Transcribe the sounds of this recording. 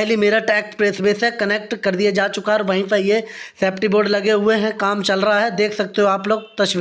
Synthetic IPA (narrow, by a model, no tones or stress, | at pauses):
ɦlimeːɾaʈɛːk̚ʈpɾeːsbeːsɦɛ̃kɐneːk̚ʈkɐɾd̪ied͡ʒaːt͡ʃʊkaɦɛɔːɾʋaɦĩpɛjesɛːpʈiboːɖlɐɡeɦʊeɦɛ̃kaːmt͡ʃɐlɾɐɦaɦɛd̪eːkʰsɐk̚t̪eɦõaːploːɡ̚t̪ɐʃʋ